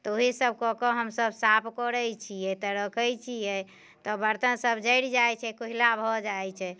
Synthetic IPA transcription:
t̪ɔoɦisəb̚ʱkɔkɔɦəmsəbsapʰkɔɾəjt͡ʃʰijɛt̪ɔɾəkʰəjt͡ʃʰijɛ | t̪ɔbəɾt̪ənsəbd͡ʒəɪɽd͡ʒajt͡ʃʰɛkoɦilabʱɔd͡ʒajt͡ʃʰɛ

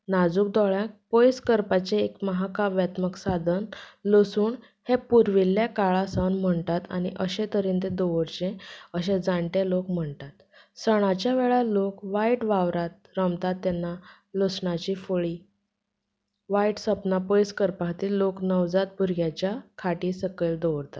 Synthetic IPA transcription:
nad͡zuːk̚d̪ɔɭjãk̚pojskəɾpat͡ɕeːkməɦakaʋjat̪məksad̪ʱənlosuːɳ | hepuɾʋilːjakaɭasanm̤əɳt̪at̪a̰ñiʔəɕẽt̪əɾĩnt̪ẽd̪oʋəɾt͡ɕẽəɕẽd͡zaɳʈelokm̤əɳt̪at̪ | səɽ̃at͡ɕjaʋeɭalokʋaiʈʋaʋɾat̪̚ɾəmt̪at̪ːanːa | losɳat͡ɕiːfoɭiː | ʋaiʈsəpnapojskəɾpat̪iːloknəʋd͡zat̪̚bʱuɾɡjat͡ɕjakʰaʈiːsəkəld̪oʋɾt̪at̪

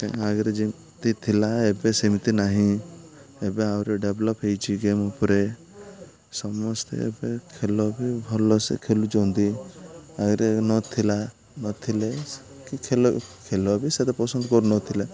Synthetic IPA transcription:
t̪ḛ̃aɡɾed͡ʒim | t̪it̪ʰilaebesimit̪inaɦĩ | ebeawɾeɖeblɔpɦejt͡ʃʰiɡemupɔɾe | sɔmɔst̪ḛḛbekʰelɔbʱibʱɔlɔsḛkʰelud͡ʒɔwnd̪i | aɡɾenɔt̪ʰila | nɔt̪ʰile | kikʰelɔkʰelɔbʱiset̪epɔsɔnd̪ɔkɔɾunɔt̪ʰila

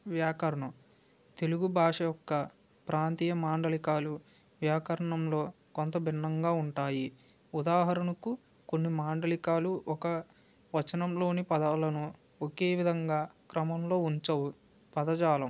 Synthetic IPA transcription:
ʋjaːkɐɾɐɳɐm | t̪e̞luɡubʱaːʂɐjɔkːɐ | pɾʔaːnt̪iːjɐmaːɳɖɐlikaːlu | ʋjaːkɐɾɐɳɐmlo̞ː | kont̪ɐbʱinːɐŋɡaːuɳʈaːji | ud̪aːɦɐɾɐnɐku | konːimaːɳɖɐlikaːluʔɔkɐ | ʋɐt͡ʃːɐnɐmlo̞ːnipɐd̪ɐlɐnu | okeːʋid̪ʱɐŋɡaːkɾɐmɐmlo̞ːuɲt͡ʃɐwu | pɐd̪ɐd͡ʒaːlɐm

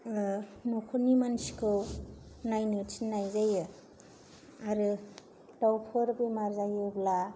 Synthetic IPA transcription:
nokʰonimansi̥kʰɯwnajnɯsʰinːajzajɯ | aɾɯ | dawpʰɯɾbemaɾzajɯbla

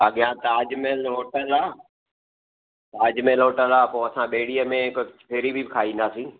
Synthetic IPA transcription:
ɐɠɪjãt̪aːd͡ʒmẽloːʈəlaː | t̪aːd͡ʑmẽloːʈəlaːpoːɐsãɓeːɽiːəmẽkt͡ʃpʰeːɾibʱibɪkʰaːĩːnd̪aːsĩː

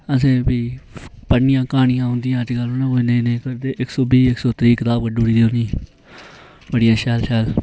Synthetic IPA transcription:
əsẽːbiːpənːɪjãːkaːɳɪjãːɦʊ̃nd̪ɪjãːəd͡ʒɡəlɦonãːoːnẽːnẽːkəɾd̪eːʔɪksoːbiːɪksoːt̪ɾiːkɪt̪aːb̚kəɖuːɽiːd̪eːonĩː | bəɽɪjãːʃɛːlʃɛːl

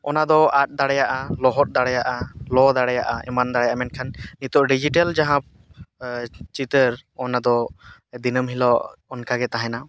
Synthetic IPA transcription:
ɔnad̪ɔat̪̚ˀd̪aɽɛjaʔalɔɦɔt̪̚ˀd̪aɽɛjaʔalɔd̪aɽɛjaʔaʔɛmand̪aɽɛjaʔamɛnkʰanːit̪ɔʔɖid͡ʒiʈald͡ʒaɦãp̚ | t͡ʃit̪əɾɔnad̪ɔd̪inəmɦilɔːnkaɡɛt̪aɦɛ̃na

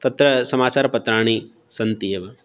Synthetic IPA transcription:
t̪ɐt̪ɾɐsɐmaːt͡ʃaːɾɐpɐt̪ɾaːɳ̃i | sɐnt̪ijeʋɐ

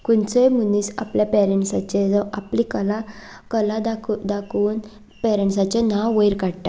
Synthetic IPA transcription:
kunt͡səjm̤uniːsa̰pljapɛɾɛɳʈsat͡ɕed͡zaa̰plikəla | kəlad̪akʰd̪akuːn | pɛɾɛ̃ɳʈsat͡ɕenawʋəjɾkaɽʈa̰

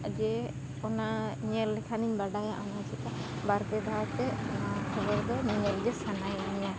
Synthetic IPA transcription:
d͡ʒɛ | ɔnaɲəlːɛkʰaniɲbaɖajaʔɔnat͡ʃit̪a | baɾbɛd̪ʱat̪ɛkʰəbəɾd̪ɔniɲɛld͡ʒɛsanajaniɲa

